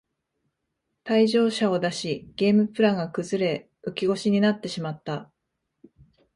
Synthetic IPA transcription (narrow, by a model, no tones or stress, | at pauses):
t̪aiʑo̞ːɕao̞d̪aɕiɡ̥e̞ːmɯ̟pɯ̟ɾaŋɡakɯ̟zɨɾe̞ | ɯ̟kʲiɡo̞ɕiɲ̟inat̪ːe̞ɕimat̪ːa